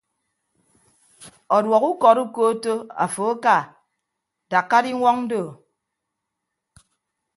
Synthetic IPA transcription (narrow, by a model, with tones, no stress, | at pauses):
ɔ˨dwɔ˨ku˦kɔ˨ɾu˦ko˦to˦a̰˨fo˨a˦ka˨ | da˨kːa˦di˦ŋʷɔ˦ŋn̩˦do˦˨